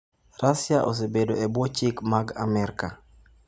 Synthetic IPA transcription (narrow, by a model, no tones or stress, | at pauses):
rasjaʔo̰s̬ebedoebwɔt͡ʃikmaɡa̰mɛɾka